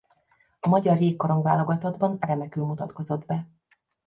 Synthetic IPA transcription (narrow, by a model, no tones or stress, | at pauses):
ɒmɒɟɒrjeːkːo̞ɾo̞ŋɡvaːlo̞ɡɒt̪ɒd̪bɒnrɛmɛkylmut̪ɒt̪ko̞zo̞d̪bɛ